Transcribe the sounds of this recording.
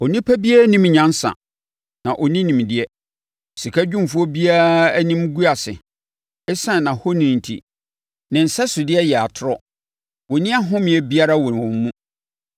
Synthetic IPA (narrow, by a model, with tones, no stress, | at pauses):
ɔ˨nĩ˦pʰæ˦bi˦ɛ˦nĩ˦m˨ɲã˦n˦sã̰˨ | nã˨ʔɔ˨nĩ˦nĩ˨m˨dɪ˦ɛ˦˨ | si˨kʰa˦d͡ʑᶣũ˦m˨fʊ˦ɔ˦bi˦a˦a˦æ˦nĩ˦m˦ɡu˦a˨sɪ̰˨ | ɛ˦sã˦˨nã˨ho˦nĩ˨n̩˨tʰḭ˨ | nɪ̃˨n̩˨sɛ˦sʊ˨dɪ˦ɛ˦jɛ˨a˨tʰʊ˦ɾɔ˦ | wɔ˨nɪ̃˦a˦ɦʊ̃˦mɪ̃˨ɛ˨bi˦a˦ɾa˦wɔ˨n˨wɔ̃˨m˦mũ˦